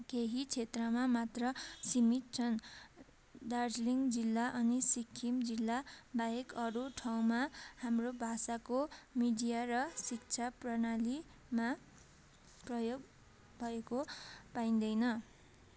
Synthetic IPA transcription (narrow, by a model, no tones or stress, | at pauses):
keɦit͡sʰet̪rʌmamat̪rʌsimit̪̚t͡sʰʌn | d̪ard͡zliŋɡd͡zilːaʔʌnisikʰːimd͡zilːabaɦekʌɾuʈʰaw̃mahamrobʱasakomiɖijarʌsik̚t͡sʰaprʌnali | ma | prʌjoɡ̚ | bʱʌekopaĩnd̪ʌjnʌ